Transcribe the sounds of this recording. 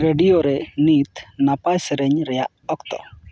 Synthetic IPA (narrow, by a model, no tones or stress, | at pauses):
ɾeɖioɾenit̪napajsɾeɲɾɛjaʔɔkt̪ɔ̰